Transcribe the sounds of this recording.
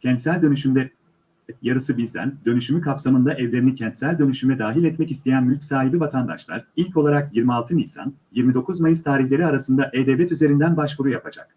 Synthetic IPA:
cʰɛnt̪sælʲd̪ø̞nyʃymd̪ɛ | jaɾɯsɯbizd̪æ̰nd̪ø̞nyʃymykʰapsamɯnd̪aʔɛvlʲe̞ɾinicʰɛnt̪sælʲd̪ø̞nyʃymɛd̪aːɦilʲɛt̪mɛcist̪ʰe̞jænmylʲcʲsaːɦibivat̪ʰand̪a̰ʃlˠa̰ɾilʲcolˠaɾakjiɾmialˠt̪ʰɯnijsa̰njiɾmid̪o̞kʰuzmajɯst̪ʰaːɾiçlʲe̞ɾiaɾasɯnd̪aʔed̪ɛvlʲɛt̪yze̞ɾind̪ænbaʃvuɾujapʰad͡ʒa̰k̚

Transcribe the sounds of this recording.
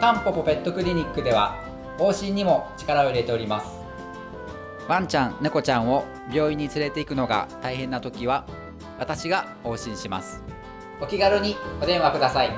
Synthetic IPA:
t̪ãmpo̞po̞pe̞t̪ːo̞kɯ̟ɾʲiɲ̟ikːɯ̟d̪e̞βa | o̞ːɕĩɲ̟ːimo̞t͡ɕi̥kaɾao̞iɾe̞t̪e̞o̞ɾʲimasɨ̥ | βãɲ̟t͡ɕãnneko̞t͡ɕãɰ̃o̞ | bʲjo̞ːiɲ̟ːit͡sɨɾe̞t̪e̞ikɯ̟no̞ɡa̰t̪aiɦẽ̞nːat̪o̞kʲiβ̞a | βat̪aɕiɡa | ho̞ːɕĩɰ̃ɕima̰sɨ̥ | o̞kʲiɡaɾɯɲ̟io̞d̪ẽ̞ɰ̃akɯd̪asai

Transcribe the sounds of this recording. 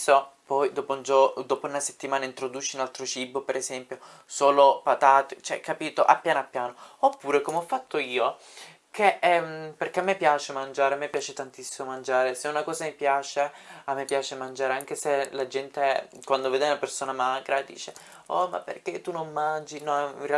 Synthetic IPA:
sɔpɔjd̪oːpound͡ʒod̪oːpounaset̪ːimaːnaint̪ɾod̪uːt͡ʃiunalt̪ɾot͡ʃibːopeɾezɛmpjo | soːlopat̪aːt̪et͡ʃoɛ̰kːapiːt̪oʔa̰pːjaːnoapːjaːnoopːuːɾekomeɔfːat̪ːoiːo | keɛmperkeamːepːjaːt͡ʃemand͡ʒaːɾeamːepːjaːt͡ʃet̪ant̪isːimomand͡ʒaːɾeseunakɔːzamipjaːt͡ʃeamːepːjaːt͡ʃemand͡ʒaːɾeaŋk̟eselad͡ʒɛnt̪ekwand̪oveːd̪eunapersoːnamaːɡɾad̪ḭːt͡ʃe | ɔma̰pːḛrk̟et̪ːunomːand͡ʒinɔḭre

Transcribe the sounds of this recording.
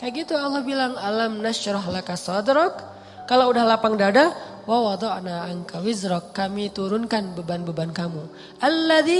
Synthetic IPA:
kaɡit̪ualːɔhbilaŋalamnaʃɾɔɦlakasɔd̪ɾɔkː | alaudahlapaŋdada | wawɑd̪ɔʔnaːŋkawɪzɾɔkːamit̪uɾʊnkanbəbanbəbankamu | ʔalːaði

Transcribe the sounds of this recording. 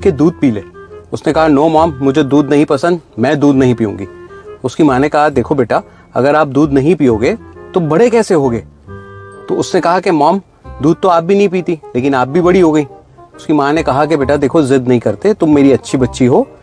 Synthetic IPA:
ked̪uːd̪̚piːleːʊsnekɐɦanoːmɔːmːʊd͡ʒʱed̪uːd̪nɐɦĩpɐsə̃nd̪mɛ̃ːd̪uːd̪nɐɦĩpiːũːŋɡiʊskimaːnekɐɦad̪eːkʰobeːʈa | ɐ̰ɡəɾaːp̚d̪uːd̪nɐɦĩpiːoɡɐeːt̪obɐɽekɛːseɦoːɡɐeː | t̪oʊsnekɐɦakemɔːm | d̪uːd̪̚t̪oaːp̚bʱinɐɦĩpiːt̪ileːk̬ɪnaːp̚bʱibɐɽiɦoːɡɐĩː | ʊskimaːnekɐɦak̬ebeːʈad̪eːkʰozɪd̪nɐɦĩkɐɾt̪et̪ʊmːeːɾiɐtːʃʰibɐtːʃʰiɦoː

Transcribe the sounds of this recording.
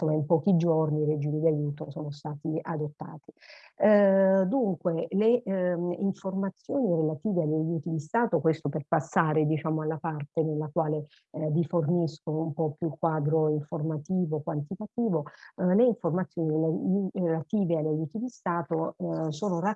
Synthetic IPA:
nsomːaimpɔːk̟id͡ʒorniːɾed͡ʒiːmid̪iajuːt̪osoːnost̪aːt̪iad̪ot̪ːa̰ːt̪i̥ | d̪uŋkwele | iɱformat̪sːjoːniɾelat̪iːveaʎːajuːt̪id̪ist̪aːt̪okwest̪operpasːaːɾed̪it͡ʃaːmoalːapart̪enelːakwaːle | viforniskoumpɔpːjukːwaːd̪ɾoiɱformat̪iːvokwant̪it̪at̪iːvoleiɱformat̪sːjoːnirelarelat̪iːvealːajuːt̪id̪ist̪aːt̪osoːnora

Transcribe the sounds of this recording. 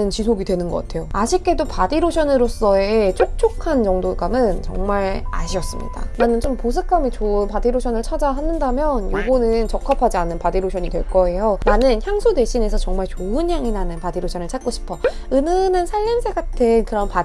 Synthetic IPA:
ɯnt͡ɕisʰoɡidwe̞nɯnɡʌk͈atʰe̞joaɕʰik̚k͈e̞dopadiɾoɕʰʌnɯɾos͈ʌet͡ɕʰok̚t͡ɕʰokʰant͡ɕʌŋdoɡamɯnt͡ɕʌ̰ŋmaɭa̰ɕʰiʌs͈ɯmɲḭd̥a̰nanɯnt͡ɕompos̬ʰɯk͈amit͡ɕoɯnpadiɾoɕʰʌnɯɭt͡ɕʰad͡ʑaɦanɯndamjʌnjoɡonɯnt͡ɕʌkʰapʰad͡ʑianːɯnpadiɾoɕʰʌɲidwe̞ɭk͈ʌe̞jonanɯnçjaŋsʰode̞ɕʰine̞sʰʌt͡ɕʌŋmaɭt͡ɕoɯnjaŋinanɯnpadiɾoɕʰʌnɯɭt͡ɕʰat̚k͈oɕʰi̥pʰʌ | ɯnɯnɯnsʰaɭːimsʰeɡatʰɯnkɯɾʌnpa

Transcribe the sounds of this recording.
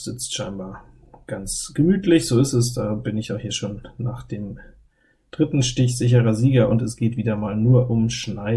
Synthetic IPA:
z̥ɪt͡stʃaɪnbaːɐ | ɡ̥ant͡sɡ̥əmyːtʰlɪçz̥oːɪstɛsd̥aːb̥ɪnɪçaʊxhiːɐʃoːnːaːχd̥eːm | d̥ʁɪtn̩ʃtɪçz̥ɪç̬əʁɐziːɡɐʔʊntɛsɡ̥eːtv̥iːdɐmaːlnuːɐʔʊmʃnaɪ

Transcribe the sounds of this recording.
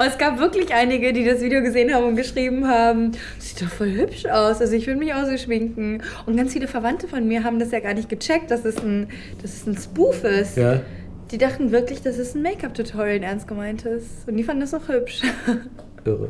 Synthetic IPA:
ʊɛsɡ̥aːpv̥ɪɐklɪçʔaɪnɪɡədiːdasv̥iːdejoɡəzeːənhaːbm̩ʊnt̚ɡ̥əʃʁ̥iːbm̩ɦaːbm̩ | z̥iːtɔχfɔlɦʏpʃaʊsʔalzoɪçv̥ɪɐdəmɪçaʊxz̥eːʃmɪŋkŋ̩ʔʊntɡ̥ant͡sfiːləfɛɐvantəfɔnmiːɐɦaːbm̩dasjaːɡaːɐnɪçt̚ɡ̥ət͡ʃɛk̚t̚d̥asdɛsn̩ | d̥asɛsn̩spuːfɪstja | d̥iːdaχtn̩vɪɐklɪçd̥asɪsn̩meɪkap̚d̥utʰaːlɪnʔɛɐnst̚ɡ̥əmaɪntʰɪstʊnt̚d̥iːfandn̩dɛsaʊxhʏpʃ | ʔɪʁə̰

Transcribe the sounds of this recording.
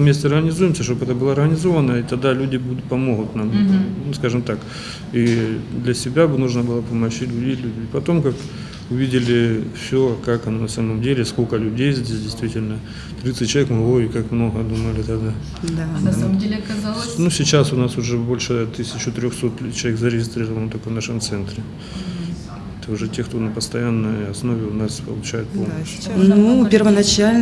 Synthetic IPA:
vmʲesʲtʲɪɐrɣənʲɪzujɪmsʲəʂt̪obɛt̪əbɨlˠaɐrɣənʲɪzo̞vənəit̪ɐɡd̪alʲudʲɪbud̪t̪pɐmo̞ɣʊt̪namnuskaʐɨmt̪ak | id̪lʲɐsʲɪbʲabɨnuʐnəbɨlˠəpɐmɐɕitʲlʲʉdʲejʲlʲudʲɪpɐt̪o̞mkak | ʊvʲidʲɪlʲɪfsʲokakɐnonɐsaməmdʲelʲɪskokəlʲʊdʲejzʲdʲesʲdʲɪjst̪vʲitʲɪlʲnə | t̪ɾʲit̪sɨtʲt͡ɕːlˠɐvekmɐloɪkakmno̞ɣəd̪uməlʲɪt̪ɐd̪a | d̪anɐamdʲelʲɪɐkɐzalˠnusʲɪt͡ɕasʊnasʊʐɛbo̞lʲʂɨt̪ɨsʲɪt͡ɕʊt̪ɾʲoxso̞t̪t͡ɕːɪlˠɐvʲekzəɾʲɪɣʲɪst̪ɾʲirəvənət̪ɐkojnaʂəmt̪sɛnt̪ɾʲɪ | t̪əʊʐɛtʲekt̪o̞nəpəst̪ɐjanːəjɐsnovʲɪʊnaspə̰lˠʊt͡ɕæjʊt̪̚polɕʲnupʲɪrvənɐt͡ɕalʲ

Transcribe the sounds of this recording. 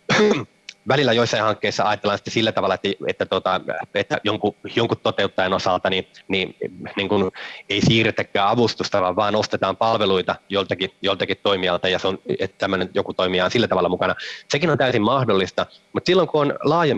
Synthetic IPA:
ʋælilːæjoisːɑĩhɑŋkːeisːɑɑjɑt̪ːelːˑɑnsit̪ːesilːæt̪ɑʋɑlːˑɑet̪ːæet̪ːæt̪ot̪ɑet̪ːæjoŋkujoŋkut̪tot̪eut̪ːɑjenosɑlt̪ɑnininiŋkuneisiːret̪ːækːæːɑʋust̪ust̪ɑʋɑːʋʋɑːnost̪et̪ɑːmpɑlʋeluit̪ɑjolt̪ɑkijolt̪ɑkit̪toimiɑlt̪ɑjɑseonḛtt̪æmːønenjokut̪oimiɑːnsilːæt̪ɑʋɑlːˑɑmukɑnɑsekinont̪æysimmɑhdolːist̪ɑmut̪silːoŋkuonlɑːjɑ

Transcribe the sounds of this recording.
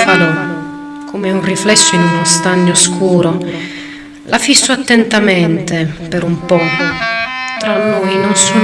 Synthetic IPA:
falɔ | kʰomeunriflɛsːoinunost̪aɲːoskʰuːɾo | lʔafisːoat̪ːɛnt̪ament̪epeɾumpɔ | t̪ɾɔnːojnonsu

